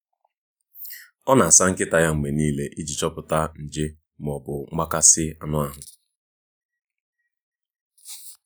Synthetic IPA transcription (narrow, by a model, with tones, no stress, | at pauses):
ɔ˦na˨a˨sa˦ŋ̩˦kɪ˦ta˨ja˦ŋ͡m̩˨me˨niː˦le˦ʔi˦d͡ʒi˨t͡ʃɔ˦pʊ˨ta˦n̩˨d͡ʒɪ˦ | m˨ɔ˨bʊ˨ŋ͡ma˦ka˦sɪ˦a˨nʊ˦a˨ɦʊ˨